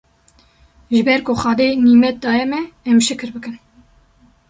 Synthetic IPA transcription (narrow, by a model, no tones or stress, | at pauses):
ʒɨbɛɾkoxɑːd̪eːniːmɛt̪̚d̪ɑːjɛmɛːmʃɨkɨɾbɨkɨn